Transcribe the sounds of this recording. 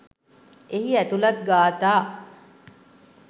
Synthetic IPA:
eɦiæt̪ulɐt̪ɡaːt̪aː

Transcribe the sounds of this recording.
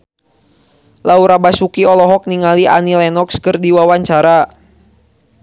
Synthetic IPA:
lauɾabasukiɔlɔɦɔk̚niŋaliʔa̰nilɛnɔkskərdiwawaɲt͡ʃaɾa

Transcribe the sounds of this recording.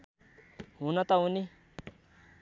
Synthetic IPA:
ɦunat̪auni

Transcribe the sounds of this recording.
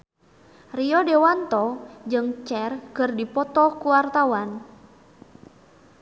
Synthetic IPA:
riɔdewant̪ɔd͡ʒɨŋt͡ʃɛrkɨrdipɔt̪ɔkuwart̪awan

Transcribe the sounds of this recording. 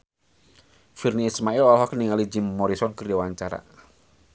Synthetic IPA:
firniːsmaɛlɔlɦɔkəniŋalid͡ʒɪmːɔɾisɔnkərdiwaɲt͡ʃaɾa̰

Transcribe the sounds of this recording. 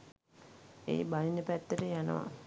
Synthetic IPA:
ḛːbalinəpæt̪ːəʈəjanə̰ʋa̰

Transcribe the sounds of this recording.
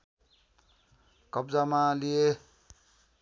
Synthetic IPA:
kʌbd͡zamalije

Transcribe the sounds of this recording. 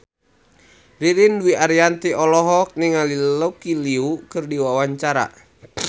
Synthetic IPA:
riɾinwiaɾiant̪iʔɔlɔɦɔk̚niŋalilokiliukɨrdiwawaɲt͡ʃaɾa̰

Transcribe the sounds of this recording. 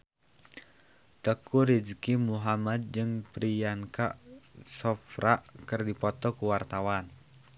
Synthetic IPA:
t̪əkuɾid͡ʒkimuɦamad̪̚d͡ʒɨŋpɾijaŋkaʔsɔfɾaʔkɨrdipɔt̪ɔkuwart̪awan

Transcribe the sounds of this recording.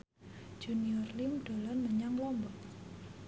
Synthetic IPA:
d͡ʒ̥uniɔrlimɖ̥o̤lɔnməɲaŋlɔmbɔ

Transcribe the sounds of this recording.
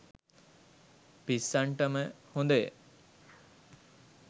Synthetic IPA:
pisːaɳʈəməhõnd̪əjə̰

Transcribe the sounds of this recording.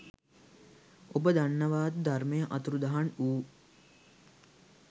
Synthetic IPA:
obəd̪anːəʋaːd̪d̪ʱarmejəʔɐ̰t̪uɾud̪aɦanuː

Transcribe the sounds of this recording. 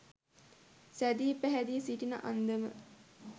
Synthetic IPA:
sæd̪iːpæɦæd̪isiʈinə̰ʔand̪əmə̰

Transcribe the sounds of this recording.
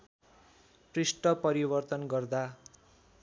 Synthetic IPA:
prisʈʌpʌɾibʌrt̪ʌnɡʌrd̪a

